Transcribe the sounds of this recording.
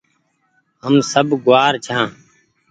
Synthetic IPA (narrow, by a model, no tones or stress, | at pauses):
ɦəmsəbɡʊʋaːɾt͡ʃʰãː